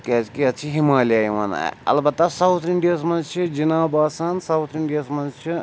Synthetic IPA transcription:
kezkiɐt͡ʃʰiɦimaːlijaːimɐna̰jɐ̰lbɐt̪ːɐsawt̪ʰiɳɖijas̬mɐnzt͡ʃʰid͡ʒinaːbaːsaːnsɐwt̪ʰiɳɖijaːsmɐnzt͡ʃʰi

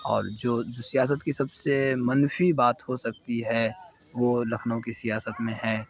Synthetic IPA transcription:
ɔ̰ːɾd͡ʒoːd͡ʒosijaːs̬ət̪kisɐbsemɐnfibaːt̪hosɐk̚t̪iɦɛ | ʋolɐkʰnõkisijaːsət̪mẽɦɛː

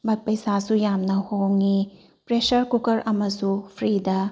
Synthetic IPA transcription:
bɐt̚pɐjsasujamnɐhowŋi | pɾesɐɾkukɐɾɐmɐsupʰɾidɐ

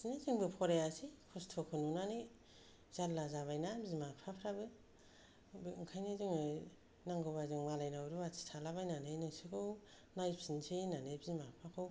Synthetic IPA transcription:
ziniziŋbɯpʰɔɾejasikʰɔstʰokʰɯnunanɯ | z̥aɾlazaβajnabizimapʰapʰɾabɯ | bɯŋkʰajniziŋɯ | naŋɡoβazɯŋmalajnawɾuatʰi̥tʰalaβajnanɯnɯsikʰɯw | najpʰinsʰenanebizmapʰakʰɯw

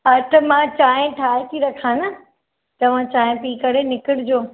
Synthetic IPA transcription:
ɐt̪ɐmãt͡ɕaːɦɪ̃ʈʰaːɦɪt̪ʰiɾɐkʰãːnɐ | t̪ɐʋ̤ãt͡ɕaːɦɪ̃piːkɐɽ̤enɪkɪɽɪd͡ʑoː

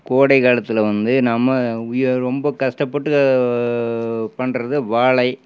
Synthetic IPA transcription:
koːɽɐɪɣaːɭɐt̪ːɪlʋɐnd̪ɯnɐmːɐɾɔmbɐkɐʂʈɐpːɐʈːɯ | pɐɳrɐðɯʋaːɭɐɪ

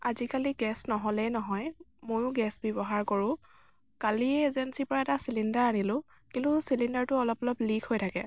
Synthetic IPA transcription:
azikaliɡɛsnɔɦɔlɛnɔɦɔjmojʊɡɛsbɔbɔɦaɹkɔɹʊ̃ | kaliɛezensipɔɹaɛtasilindaɹanilʊ̃ | kĩntʊsilindaɹtʊɔlɔpɔlɔplikʰhojtʰakɛ̰

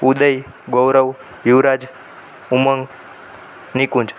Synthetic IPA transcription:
ud̪əj | ɡowɾəʋ | juʋɾad͡ʒ | uməŋɡ | nikũnd͡ʒ

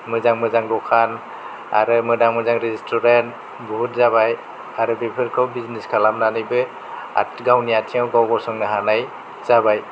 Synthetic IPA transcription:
mɯzaŋmɯzaŋdɔkʰan | a̰ɾɯmɯdaŋmɯzaŋɾizistʰɔɾant | bɔɦut̚zabaj | aɾɯbipʰɯɾkʰɯwbizniskʰalamnanɯjbɯ | a̰tɡawniatʰiŋawɡawɡɔsɔŋnɯɦanaj | z̥abaj

